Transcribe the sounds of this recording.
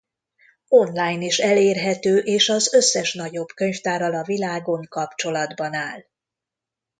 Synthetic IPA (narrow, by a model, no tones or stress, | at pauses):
o̞nlaːjniʃɛleːrɦɛt̪øːʔeːʃɒzø̞sːɛʃnɒɟo̞bkø̞ɲft̪aːɾɒlɒvilaːɡo̞ŋkɒpt͡ʃo̞lɒd̪bɒnaːl